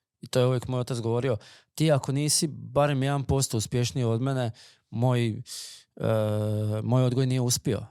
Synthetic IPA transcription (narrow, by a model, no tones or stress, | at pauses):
it̪o̞jeuʋjekmojot̪at̪sɡoʋo̞ːɾio̞t̪iːako̞niːsibaɾe̞mje̞d̪anpo̞st̪ouspje̞ʃnijeod̪mene̞ | mo̞j | mojo̞d̪ɡojnije̞uspio̞̰